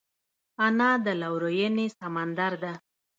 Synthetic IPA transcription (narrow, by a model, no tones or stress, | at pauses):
anɑd̪əlawɾojənesamand̪aɾd̪a